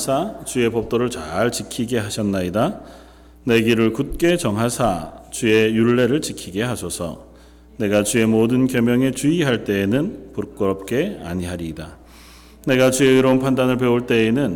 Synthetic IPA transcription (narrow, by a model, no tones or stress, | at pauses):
sʰat͡ɕue̞pʌp̚t͈oɾɯɭt͡ɕaɭt͡ɕikʰiɡe̞ɦaɕʰʌnːaida | ne̞ɡiɾɯɭkut̚k͈e̞t͡ɕʌŋɦasʰat͡ɕue̞juɭːe̞ɾɯɭt͡ɕikʰiɡe̞ɦasʰʌsʰʌ̰ | ne̞ɡat͡ɕue̞modɯnkjʌmjʌŋe̞t͡ɕuiɦaɭt͈e̞ːnɯnpuɾk͈ɯɾʌp̚k͈e̞a̰ɲiɦaɾida | ne̞ɡat͡ɕue̞ɯɾʌunpʰandanɯɭpe̞uɭt͈e̞ːnɯn